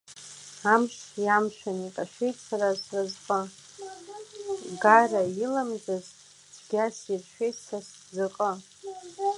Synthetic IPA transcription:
amʃjamʃʷᶣanikʼaʃʷᶣejtʼsarasrazqʼə | ɡarailamzaz | t͡sɡʲasirʃʷᶣejtʼsas | zaqʼə

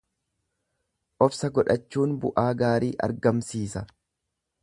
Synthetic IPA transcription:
ʔɔfsɐɡɔᶑɐt͡ʃːuːnbʊ̰ʔaːɡaːɾiːʔɐ̰ɾɡɐmsiːsɐ

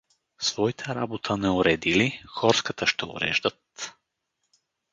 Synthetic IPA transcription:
svɔit̪ʰɛɾabot̪ʰənɛʊɾɛd̪ilixɔɾskət̪əʃt̪ɛo̰ɾɛ̰ʒd̪ət̪

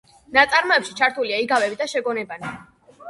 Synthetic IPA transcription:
nat̪sʼaɾmɔɛpʃi̥t͡ʃʰaɾt̪ʰuliaiɡavɛbid̪aʃɛɡɔnɛbani

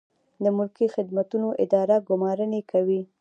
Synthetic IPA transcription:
d̪əmʊlkixɪd̪mat̪unoʔɪ̰d̪ɑɾaɡʊmɑɾənekʰawi

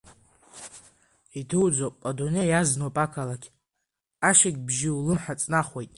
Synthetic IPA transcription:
idʰɨwd͡zopʼadunejaznopʼakʰalakʲʰ | aʃɪkʲbʒɪulɨmħat͡sʼnaχwejtʼ

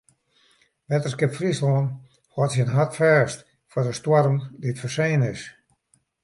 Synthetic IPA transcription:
ʋɛtərskɪpfrislɔən | hwɔtsənɦatfɛːst | fɔdəstwɔrmditfərseːnɪs

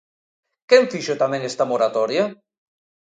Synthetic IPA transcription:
keɱfiʃot̪amɛ̃ŋest̪amoɾat̪ɔɾja

